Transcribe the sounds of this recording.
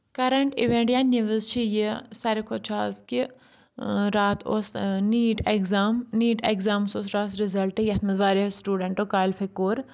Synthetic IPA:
kɐɾɐɳʈḭʋẽɳʈjaːniʋəzt͡ʃʰijesɐɾikʰot͡ʃʰaːzki | ɾaːt̪ʰo̰sniːʈeɡzaːmniːʈeɡzaːmsoːs̬ɾaːsɾizɐlʈejɐt̪ʰmɐzʋaːɾisʈuːɖɐɳʈokaːlfʰekoːɾ

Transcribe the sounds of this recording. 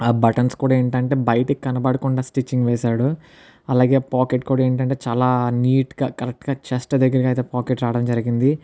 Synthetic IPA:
aːbɐʈɐnskuːɽaːeːɳʈɐɳʈe̞ːbɐjɐʈɐkkːɐnɐpɐɽɐkuɳɖaːsʈit͡ʃːiŋɡʋɛːsaːɽu | ɐlaːɡeːpaːkeʈ̚kuːɽaːe̞ːɳʈɐɳʈe̞ːt͡ʃaːlaːniːʈɡaːkɐɾek̚ʈɡaːt͡ʃɐsʈɐd̪ɐɡːɐɾɐɡaːijt̪e̞ːpaːkeʈɾaːɽɐmd͡ʒɐɾiɡind̪i

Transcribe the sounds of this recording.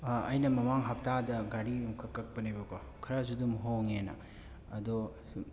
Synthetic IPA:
ɐjnɐmɐmaŋɦap̚tadɐɡaɾiumkʰɐkːɐk̚pɐnijbɐɡo | kʰɐɾazudumɦoŋenɐ̰ː | dɔ

